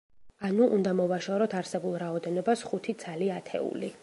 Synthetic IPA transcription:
anuʔund̪amɔvaʃɔɾɔt̪ʰaɾsɛbulˠɾaɔd̪ɛnɔbasχut̪ʰit̪sʰaliat̪ʰɛ̰ṵli

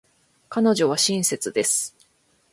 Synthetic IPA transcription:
kano̞ʑo̞β̞aɕĩɰ̃se̞t͡sɨd̪e̞sɨ̥

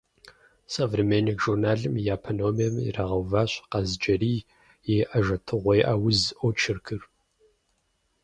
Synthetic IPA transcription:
sɐvrimenikʒurnaːɮɨmjaːpʰɐnoːmjɛmḭrɐʁɐwvaːɕqɑzd͡ʒɐɾiː | jeʔɐʒɐtʰɨʁʷejʔɐwʊzʔot͡ʃʰɪrkʰɨr

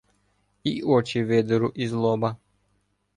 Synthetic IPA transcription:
iʔɔt͡ʃiʋed̪ɛɾuʔizlˠɔba

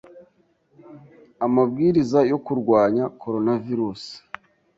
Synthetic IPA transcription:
amabɡiːɾizajo̞kuɾɡwaːɲako̞ɾo̞naviɾuːsi̥

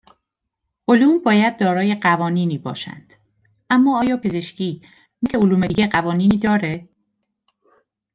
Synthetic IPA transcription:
ʔoluːmbɒːjæd̪̚ːɒːɾɒːjeɢævɒːniːniːbɒ̰ːʃæ̰nd̪̥ | ʔæmːɒːɒːjɒːpʰe̞ze̞ʃcʰiː | miseoluːmeiɟeɢævɒːniːniːd̪ɒːɾe

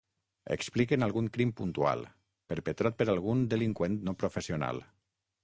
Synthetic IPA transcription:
ə̰ksplikenalˠɣuŋkɾimpunt̪ua̰lˠ | pəɾpət̪ɾat̪̚pəɾalˠɣund̪əliŋkwent̪nopɾofəsiuna̰lˠ

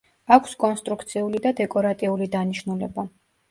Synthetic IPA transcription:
akʰskʼɔnst̪ʼɾukt̪sʰiulid̪ad̪ɛkʼɔɾat̪ʼiulid̪aniʃnulɛba

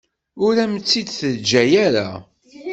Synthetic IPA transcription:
ʊɾæmət͡sːid̪θəd͡ʒːæjæɾa̰

